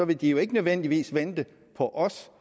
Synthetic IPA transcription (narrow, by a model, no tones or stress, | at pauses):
ɒ̽ʋe̝d̥ijo̝e̝ɡ̥ənøð̞ˠen̰d̥iʋḭːsʋend̥ə | pʰɒ̽ʔɒ̽s